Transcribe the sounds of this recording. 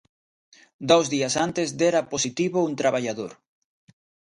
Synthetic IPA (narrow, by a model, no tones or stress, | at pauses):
d̪owzðiɐsant̪ezd̪eɾɐposit̪iβount̪ɾaβaʎaðo̰ɾ